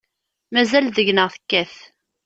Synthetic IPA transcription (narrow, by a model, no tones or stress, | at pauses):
mæzælðəʝnəʁθə̥kːæθ